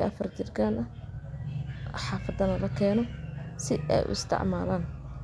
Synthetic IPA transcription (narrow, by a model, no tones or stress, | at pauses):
ʔɐ̰fɐrt͡ʃɪrɡaːnʔɐ | ħɑːfɐd̪ɐnɐlɐkʰɛːnɔsɪɛ̰jʔʊ̰ʔɪ̰st̪ʰɪ̰ʕma̰ːlaːn